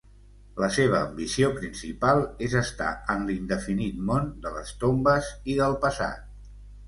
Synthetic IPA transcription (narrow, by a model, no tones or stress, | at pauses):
ləseβ̞əːmbisiopɾinsipalˠezəst̪a̰ənlind̪əfinit̪mond̪ələ̰st̪ombəziðəlˠpəsa̰t̪̚